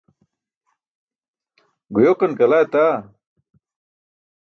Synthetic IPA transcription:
ɡujoːkɐnkɐlaːjt̪aː

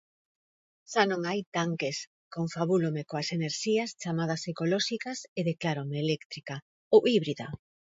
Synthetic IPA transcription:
ʃanõŋajt̪aŋkes | koŋfaβulomekoaseneɾʃiast͡ʃamað̞ɐsekolɔʃikɐseðeklaɾomeːlekt̪ɾika | owiβɾiða

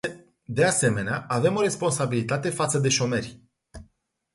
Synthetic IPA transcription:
d̪e̞ase̞me̞neaʔave̞mo̞ɾe̞spo̞nsabilit̪at̪e̞fat̪səd̪e̞ʃo̞me̞rʲ

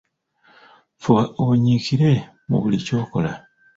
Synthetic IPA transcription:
fuaoɲikiɾe̞ | mṵβulico̞ːko̞la

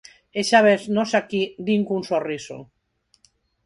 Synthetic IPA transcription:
eʃaβeznosakid̪iŋkunsoriso̰

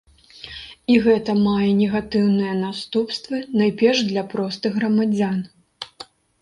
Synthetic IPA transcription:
iɣɛt̪ɐmajɛnʲɛɣat̪ɨwnɨjɐnast̪upst̪vɨnajpʲɛrʂd̪lʲɐpɾɔst̪ɨɣːɾɐmad͡zʲan

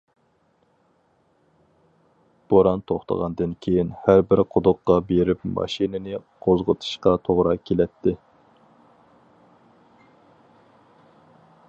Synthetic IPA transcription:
b̥oɾɑnt̪ʰoχt̪ʰə̰ʁɑnd̪ɨnkʲʰejinhæɾbɪɾqʰʊd̪ʊqːɑbeɾɪpmɑ̰ʃinɪnɪqʰozʁə̰t̪ʰɨ̥ʃqɑt̪ʰoʁɾɑkʲʰelɛt̪ʰːɪ

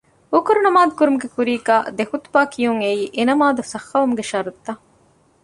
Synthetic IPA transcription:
ukoɾunɐmaːd̪ukuɾumuɡekuɾiːkaːd̪ekut̪u̥baːkʰijuŋeiːʔenɐmaːd̪usɐxːɐʋumuɡeʃɐɾut̪ːɐ

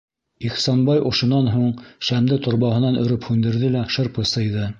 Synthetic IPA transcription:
iχsɑnbɑjʔŏʃŏnːɑnɦuɴʃæmd̪ɘt̪ŏɾβɑɦɤ̆nɑnɵ̆ɾɘphʉnd̪ɘ̆ɾðɘlæʃɤ̆ɾpɤ̆sɤ̆jðɤ

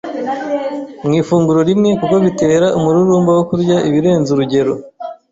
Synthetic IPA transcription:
mŋiːfuːŋɡuɾo̞ɾimŋe̞kuko̞βite̞ːɾaʔumuɾuɾuːmbawokuɾɟaʔiβiɾe̞ːnzuɾuɟe̞ɾo̞

